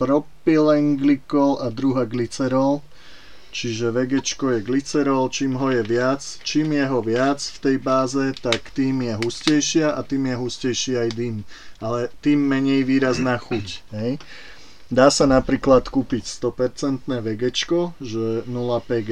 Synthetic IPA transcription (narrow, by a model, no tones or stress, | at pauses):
pɾɔpilɛŋɡlikɔlad̪ɾuɦaɡlit͡sɛɾɔl | t͡ʃiʒɛʋɛɡɛt͡ʃkɔjɛɡlit͡sɛɾɔlt͡ʃiːmɦɔjɛʋɪat͡st͡ʃiːmjɛɦɔʋɪat͡sft̪ɛjbaːzɛt̪akt̪iːmjɛɦuscɛjʃɪaʔat̪iːmjɛɦuscɛjʃiajd̪inalɛt̪iːmːɛɲɛjʋiːɾaznaːxucɦɛj | d̪aːsanapɾiːklat̪kuːpicst̪ɔpɛɾt͡sɛnt̪nɛːʋɛɡɛt͡ʃkɔʒɛnulapɛɟ